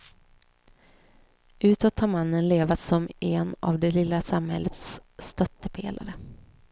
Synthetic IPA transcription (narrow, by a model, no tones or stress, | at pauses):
ʔʉ̟ːt̪ɔt̪haːɾmanːənleːvat̪sɔmʔɛna̰vd̪ɛlɪlːasamhɛ̰lːət̪st̪œt̪ːəpʰḛːlʔa̰ɾə